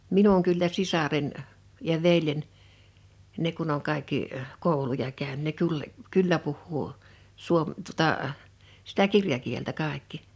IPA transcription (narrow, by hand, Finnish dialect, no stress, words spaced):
minuŋ kylːæ sisɑren jɑ ʋeljen ne kun oŋ kɑikːi koˑulujɑ kæyn ne kul kylːæ puhːuː suom tuŏtɑˑ sitæ kirjɑkieltæ kɑˑe̝kːi